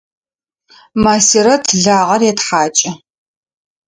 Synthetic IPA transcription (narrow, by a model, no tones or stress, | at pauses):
maːsiɾɐtʰɮaːʁɐrjɛtħaːt͡ʃʼɪ